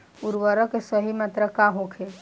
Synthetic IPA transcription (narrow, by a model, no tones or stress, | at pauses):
uɾʋəɾəkesəɦimat̪ɾəkaɦokʰe